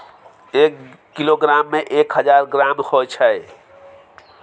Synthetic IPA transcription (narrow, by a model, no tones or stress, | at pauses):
ekː | iloɡɾamːeʔekɦəd͡ʒaɾɡɾamhojt͡ʃʰəj